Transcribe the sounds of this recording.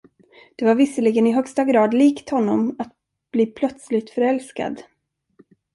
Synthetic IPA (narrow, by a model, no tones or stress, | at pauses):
d̪̥ɛvaɾvɪsəɭɪɡənɪɦœkst̪aɡɾɑːd̪liːkt̪hɔnːɔmat̪̚ | b̥liːpʰlœt̪slɪɡ̚t̪fœɾɛlska̰d̪